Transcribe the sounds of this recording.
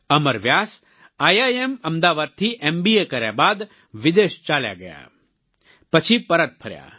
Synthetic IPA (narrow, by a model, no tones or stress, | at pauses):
ɐməɾʋjaːs | aːjaːjemɐmd̪aːʋaːd̪̚t̪ʰiʔeːmbiːekɐɾja̰baːd̪ | ʋɪd̪eːʃt͡ʃaːlja̰ɡɐja̰ | pɐt͡ʃʰipɐɾət̪̚pʰɐɾja̰ː